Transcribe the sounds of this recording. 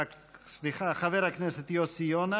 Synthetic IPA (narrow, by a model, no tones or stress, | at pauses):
a | sliχaχaveɾakneset̪josijona